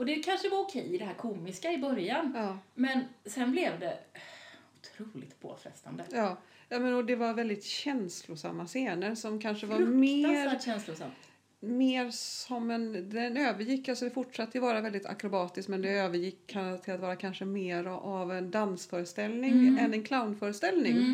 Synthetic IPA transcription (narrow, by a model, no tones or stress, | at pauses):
ɔd̪ɛkʰanʂəvaɾʊkʰɛjɪd̪ɛhæːɾkʰuːmɪskaɪbœɾjanɑːmɛnsɛnblɛvd̪ɛ | ʊt̪ʰɾuːlɪ̰ɡ̚t̪pʰo̰ːfɾɛ̰st̪a̰nd̪əjɑː | jɑːmɛnɔd̪ɛvaɾvɛld̪ɪt̪ɕɛnslʊsa̰mːaseːnəɾsɔmkʰanʂəvaɾmeːɾɛnslʊsam | meːɾsɔmːɛnd̪ɛnøːvəɾjɪkːalsɔd̪ɛfʊʈʂat̪ːəjvɑːɾavɛld̪ɪt̪ʰa̰kɾʊbɑːt̪ɪskmɛnd̪ɛøːvəɾjɪkʰːant̪ʰɪlat̪vɑːɾakʰanʂəmeːɾavɛnd̪ansfœːɾəst̪ɛlnɪŋɛnɛnkʰlaʊnfœːɾəst̪ɛlnɪŋŋ